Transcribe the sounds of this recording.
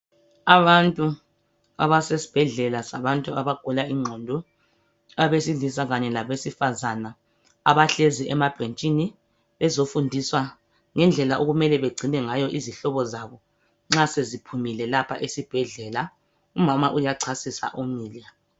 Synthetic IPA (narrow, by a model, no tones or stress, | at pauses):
aβantʼu | a̰βasesi̥b̥ʱɛɮɛlasaβantʼuaβaɡ̥ʱulaiŋ͡ǀʱondʱɔ | aβesiɮis̬aɣaɲɛlaβesifazana | aβaɬeziʔɛmab̥ʱent͡ʃʼini | βɛzofundʱiswa | ŋɛnd͡ɮʱɛlaʔoɣumɛlɛβeɡ͡ǀʱinɛŋajɔʔiziɬɔβɔzaβɔ | ŋ͡ǁasezipʰumilɛlapʰa̰ʔesib̥ʱɛɮɛla | umamaʔujaǀʰasisa̰ʔomiːlia